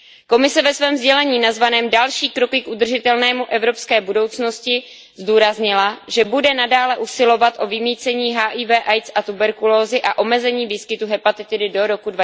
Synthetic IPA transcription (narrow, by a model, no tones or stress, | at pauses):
ko̞mɪsɛvɛsvɛːmzɟɛlɛɲiːnazvanɛːmdalʃiːkɾo̞kɪkʔud̪r̩ʒɪt̪ɛlnɛːmuʔɛvɾo̞pskɛːbudo̞wt͡sno̞scɪ | zduːɾazɲɪlaʒɛbudɛnadaːlɛʔusɪlo̞vat̪ʔo̞vɪmiːt͡sɛɲiːɦaːʔiːvɛːʔajt͡sʔat̪ubɛɾkuloːzɪʔaʔo̞mɛzɛɲiːviːskɪt̪uɦɛpat̪ɪt̪ɪdɪdo̞ɾo̞kudva